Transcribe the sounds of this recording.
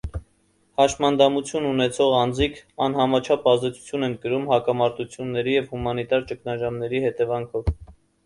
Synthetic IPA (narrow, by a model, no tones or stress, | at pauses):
hɑʃmɑnd̪ɑmut͡sʰjununɛt͡sʰɔʁɑnd͡zikʰɑnɦɑmɑt͡ʃʰɑpʰɑzd̪ɛt͡sʰu̥t͡sʰjunɛnkəɾumhɑkɑmɑɾt̪ut͡sʰjunːɛɾijɛvhumɑnit̪ɑɾt͡ʃəknɑʒɑmnɛɾihɛt̪ɛvɑŋkʰɔv